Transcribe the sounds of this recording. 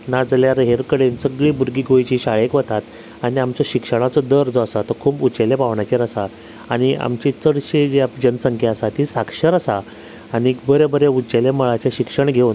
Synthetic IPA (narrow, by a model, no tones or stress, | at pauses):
nad͡zljaɾɦeɾkəɽensəɡɭiːbuɾɡiːɡʱojt͡ɕiɕaɭekʋət̪at̪ | aɽ̃iamt͡ɕaɕikʂəɽ̃at͡sɔd̪əɾd͡zɔasat̪əkʰuːput͡ɕelepaʋɳat͡ɕeɾəsa | aɽ̃ia̰mt͡ɕit͡səɽɕed͡ʑeapd͡ʑənəsəŋkʰjeəsat̪ɦiːsakʂəɾəsa | añibəɾebəɾeut͡ɕeleməɭat͡ɕjaɕikʂəɳɡʱeun